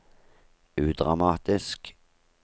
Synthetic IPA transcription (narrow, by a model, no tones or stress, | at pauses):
ʉːd̪ʁɑmɑːt̪ɪsk